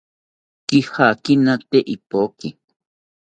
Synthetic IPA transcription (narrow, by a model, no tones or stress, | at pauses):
kihakinãt̪eʔipoki